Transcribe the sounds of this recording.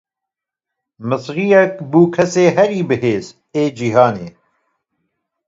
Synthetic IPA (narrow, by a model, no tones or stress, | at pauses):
mɨsɾijɛk̚buːkʰɛseːɦɛɾiːbɨɦeːz | eːd͡ʒiɦɑːnḛː